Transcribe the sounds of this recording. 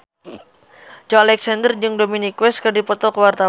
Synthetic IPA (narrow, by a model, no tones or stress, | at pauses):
d͡ʒɔalɛksandərd͡ʒɨŋdominikwɛskədipɔt̪ɔkəwart̪a